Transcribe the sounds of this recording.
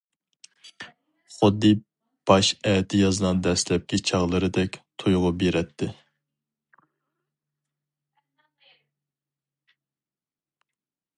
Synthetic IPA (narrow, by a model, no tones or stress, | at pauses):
χʊd̪ːɪ | b̥ɑʃɛt̪ʰɪjɑzɨnɑnd̪ɛslɛp̚kʲit͡ʃʰɑʁlˠɨɾɨd̪ɛkʲt̪ʰojʁʊbeɾɛt̪ʰːɪ